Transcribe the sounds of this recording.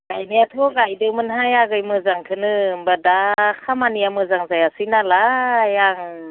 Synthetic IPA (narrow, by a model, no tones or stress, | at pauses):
ɡajnɯatʰɔɡajdɯwmɯnɦajaɡɯjmɯzaŋtʰɯnɯmbadakʰamanijamɯzaŋzajasɯnalajaŋ